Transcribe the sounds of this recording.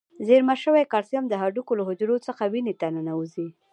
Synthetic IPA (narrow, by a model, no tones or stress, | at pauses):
zeɾmaʃəwajkɑɾsjamd̪əɦaɖukolaɦʊd͡ʒɾot͡səxawinet̪anənauzi